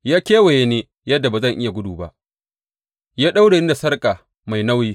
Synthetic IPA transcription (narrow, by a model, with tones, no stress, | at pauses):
jaː˦kʲeː˦we˨je˦neː˦ | jɐ˦dːa˨baː˨zɐ˦˨ŋʔɪ˦ja˨ɡʷʊ˦duː˨ba̰˦ʔ | jaː˦ɗa˦wɽe˨niː˦da˨sɐ˦rkʼa˨ | ma˨jna˦wjiː˦